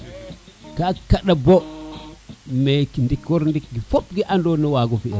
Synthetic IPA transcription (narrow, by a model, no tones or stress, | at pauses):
kakaɗabo | mekindikwɔɾndik̚ɡifopɡiʔandɔnɔwaɡɔfiɛ